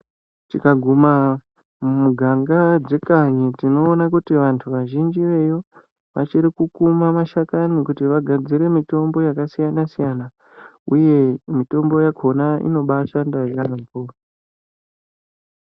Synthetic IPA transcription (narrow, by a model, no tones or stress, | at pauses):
tikaɡʱuma | muɡʱaŋɡad͡zekaɲitino̞ːnakutiʋantʰuʋaʒind͡ʒiʋe̞jo̞ | ʋat͡ʃiɾikukumamaʃakankutiʋaɡʱad͡ziɾe̞mito̞mbo̞jakasijanasijana | uje̞mito̞mbo̞jakʰo̞naḭno̞ɓaʃandaekanampuːra